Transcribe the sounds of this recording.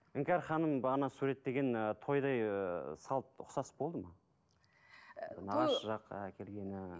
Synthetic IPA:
ɪŋkʲɑɾχɑnəmbɑʁnɑsuɾe̞t̪ːe̞ɡʲe̞nt̪ʰo̞jd̪ɑjsɑlˠt̪ʊ̰qsɑsbo̞lˠd̪əmɑ | nɑʁɑʃəʒɑqkʲʰe̞lɡʲe̞nɪ

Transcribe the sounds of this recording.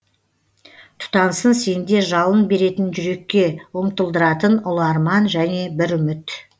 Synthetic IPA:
t̪ʰʊ̥t̪ɑnsənse̞nd̪e̞ʒɑlˠənbe̞ɾe̞t̪ɪnʒʏɾe̞kʲːe̞wʊmt̪əlˠd̪əɾɑt̪ənʊlˠɑɾmɑnʒæne̞bɪɾʏmɪt̪

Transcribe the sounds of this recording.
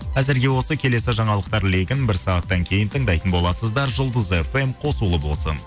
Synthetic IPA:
qʰæzɪɾɡʲe̞wo̞səkʲʰe̞le̞sɪʒɑɴɑlˠəq̚t̪ɑɾle̞ɡʲɪnbɪɾsɑʁɑt̪ːɑŋkʲʰe̞jɪnt̪ʰəɴd̪ɑjt̪ənbo̞lˠɑsəzd̪ɑɾʒʊlˠd̪əze̞fe̞mqʰo̞sulˠəbo̞̰lˠsə̰n

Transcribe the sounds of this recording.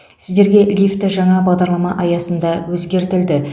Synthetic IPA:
sɪzd̪e̞ɾɡʲe̞lʲift̪əʒɑɴɑbɑʁd̪ɑɾlˠɑmɑʔɑjɑsənd̪ɑwɵzɡʲe̞ɾt̪ɪld̪ɪ

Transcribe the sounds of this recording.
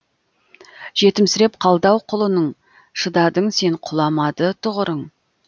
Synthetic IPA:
ʒ̥e̞t̪ɪmsɪɾe̞p̚qʰɑlˠd̪ɑwqʰʊlˠənəɴ | ʃəd̪ɑd̪əɴse̞ɴqʰʊlˠɑmɑd̪ət̪ʰʊʁəɾəɴ

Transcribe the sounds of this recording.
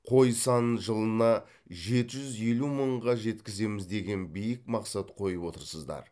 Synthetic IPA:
qʰo̞jsɑnʒəlˠənɑ | ʒe̞t̪ɪʒʏzje̞luməɴʁɑʒe̞t̪kʲɪze̞mɪzd̪e̞ɡʲe̞nbijɪkmɑqsɑt̪qʰo̞jəpwo̞t̪əɾsəzd̪ɑ̰ɾ

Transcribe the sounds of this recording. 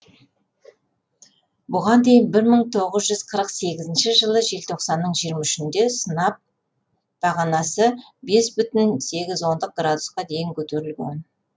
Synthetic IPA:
bʊʁɑnd̪e̞jɪnbɪɾməɴt̪ʰo̞ʁəzʒʏz̥qʰəɾəqse̞ɡʲɪzɪnʃɪʒəlˠəʒe̞lt̪ʰo̞qsɑnːəɴʒijəɾmɑʏʃɪnd̪e̞sənɑp̚ | d̪̥ɑʁɑnɑsə | be̞sbʏt̪ɪnse̞ɡʲɪzwo̞nd̪əq̚ɡɾad̪usqɑd̪e̞jɪŋkʲʰɵt̪eɾɪlɡʲḛn

